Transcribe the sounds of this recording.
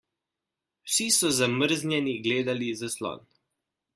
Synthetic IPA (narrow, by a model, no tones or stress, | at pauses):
wsisɔzaməɾznʲjɛniɡleːd̪alizaslɔ̰ːn